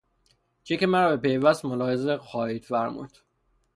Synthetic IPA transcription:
t͡ʃʰecemæɾɒːbe̞pe̞jvæst̪molɒːhezexɒːhiːd̪fæɾmṵːd̪̥

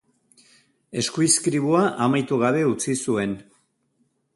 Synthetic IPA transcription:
e̞skuiskɾiβ̞uaʔamajt̪uɣaβe̞ut͡sisue̞n

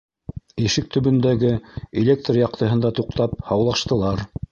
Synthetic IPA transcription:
iʃɘk̚t̪ɵ̆βɵ̆nd̪æɡɘelʲekt̪rjɑq̚t̪ɤ̆ɦɤ̆nd̪ɑt̪uqt̪ɑp̚hɑwlˠɑʃt̪ɤ̆lˠɑɾ

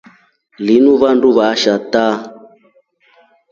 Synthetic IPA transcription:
linuβanduβaʃata

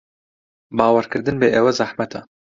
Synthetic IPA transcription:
bɑːwɛɾkɨɾd̪ɨnbeʔɛwɛzaħmɛt̪ʰɑː

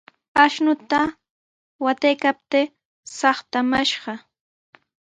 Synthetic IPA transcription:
aʃnʊt̪a | wat̪ajkap̚t̪e | sɑχt̪amaʃɢɑ

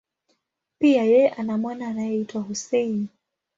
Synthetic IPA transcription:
piajɛɛʔanamwanaːnajɛitwahusɛin

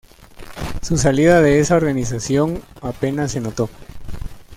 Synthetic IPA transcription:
sus̬aliðaðe̞esao̞ɾɣanisasjo̞ŋape̞nase̞no̞t̪o̞

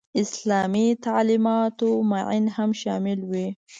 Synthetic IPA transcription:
ɪslɑːmit̪aʕlimɑːt̪umaʕinhamʃɑ̰ːmɪlwi

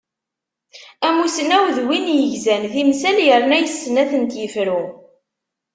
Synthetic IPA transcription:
æmusənæwðwinjəʝzænθimsæljəɾˤnæjəsːənæθənt̪jəfɾu

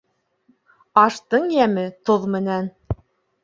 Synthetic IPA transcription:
ɑʃt̪ɤɴjæmɘt̪oðmɘ̆næn

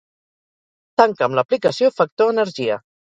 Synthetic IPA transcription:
t̪aŋkəmləplikəsijofək̚t̪oənəɾʒiə̰

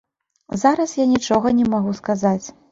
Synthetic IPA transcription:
zaɾɐsjanʲit͡ʂɔɣɐnʲɛmaɣuskazat͡sʲ

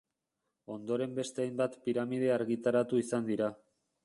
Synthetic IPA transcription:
o̞nd̪o̞ɾe̞mbe̞st̪e̞ajmbat̪piɾamið̞e̞aɾɣit̪aɾat̪uisand̪iɾa

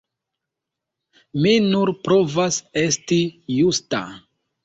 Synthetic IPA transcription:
minuɾpɾo̞vase̞stijusta̰

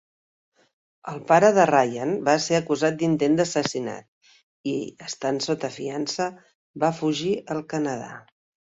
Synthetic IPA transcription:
əlˠpaɾəðərajanbaseəkuzat̪̚d̪int̪end̪əsəsina̰t̪̚ | iəst̪ansot̪əfiansə | bafuʒiəlˠkənəða̰

